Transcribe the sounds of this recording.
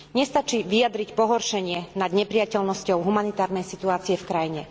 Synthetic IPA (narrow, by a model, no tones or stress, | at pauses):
ɲɛst̪at͡ʃiʋijad̪ɾicpɔɦɔɾʃɛɲɪɛnad̪ɲɛpɾɪacɛlnɔscɔʊɦumanit̪aːɾnɛjsit̪uaːt͡siɛfkɾajiɲɛ